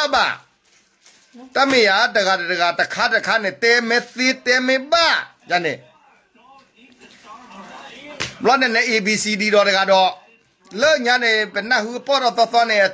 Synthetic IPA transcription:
ba̰˨ | ta˦me˨ja˨˦də˨ɡa˨dɛ˨də˨ɡa˨tə˨kʰa˦də˨kʰa˦nɛ̃˨t̪ɛ˨mɛ̃˨˦t̪e˨t̪ɛ˨mɛ̃˦ba˦˨ja˨nɛ̰̃˨ | mlɔ˦nɛ̃˨nɛ˨ʔe˨bi˨si˨di˨ɾɔ˨də˨ɡa˨dɔ˨ | lə˦˨ɲa˦ne˨bə˨na˦ʔɦu˦˨ʔə˨pɔ˦˨dɔ˦˨θɔ˦θwã˦nɛ̃˨ʔə˨

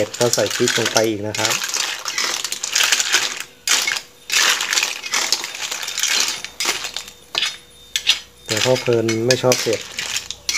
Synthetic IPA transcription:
e˨˩t̪̚kaː˥˩sa˨˩˦jkʰi˦˥t̪̚lo˧ŋpa˧jʔiː˨˩k̚na˦˥kʰɾa˦˥p̚ | t̪ɛː˨˩kʰɔː˥˩pʰɤː˧nma˥˩jt͡ɕʰɔː˥˩p̚se˨˩t̪̚

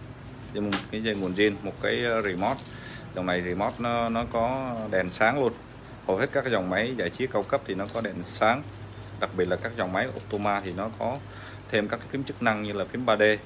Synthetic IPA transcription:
ɗe˨˧m˨˩mo˨˩t̚kaː˨˦jzə˧˩jŋu˨˩ənzi˧ənmo˨˩t̚kaː˨˦jzi˧˩mɔ˦˥t̚ | zɔ˨˩wŋ͡mna˨˩jzi˨˧˩mɔ˦˥t̚n˨˦nɔ˨˦kɔ˨˦ɗɛ˨˩nsaː˨˦ŋlu˧ən | hə˨˩whe˦˥t̚kaː˦˥kza˨˩wŋ͡mma˨˦jzaː˧˩jt͡ɕi˨˦əkə˧wkə˦˥p̚t̪ʰi˨˩nɔ˨˦kɔ˨˦ɗɛ˨˩nsaː˨˦ŋ | ɗa˨˩k̚ɓi˨˩t̚laː˨˩kaː˦˥k̚za˨˩wŋ͡mma˨˦jʔo̰˧˥p̚t̪o˧maː˧t̪ʰi˨˩nɔ˨˦kɔ˨˦ | t̪ʰe˧mkaː˦˥kːaː˨˦fi˨˦mt͡ɕɨ˦˥k̚na˧ŋɲɨ˧laː˨˩fi˨˦əmɓaː˧ɗe˧

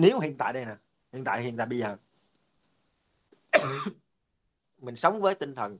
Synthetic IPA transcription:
ne˨˦wɦḭ˧˨ənt̪a̰ː˧˨jɗə˧jnaː˨˩ | hḭ˨˧˨ənt̪a̰ː˧˨jɦi˨˧˨ənt̪a̰ː˧˨˩ɓə˧jzəː˨˩ | mï˨˩ŋ̟sə˨˦wŋ͡mvəː˨˦jt̪ï˧ŋ̟t̪ʰə˨˩n

